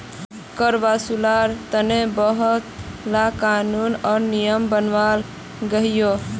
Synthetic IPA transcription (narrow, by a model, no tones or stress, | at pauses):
kəɾbasulaɾt̪ənebəɦət̪lakanunɔɾnijəmbənʋal | ɡəɦijo